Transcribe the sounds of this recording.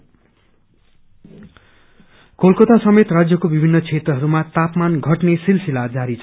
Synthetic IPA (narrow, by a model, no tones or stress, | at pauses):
kolkot̪asʌmet̪rad͡zjʌkobibʱinːʌt͡sʰet̪rʌɦʌɾumat̪apmanɡʱʌʈnesilsilad͡zaɾit͡sʰ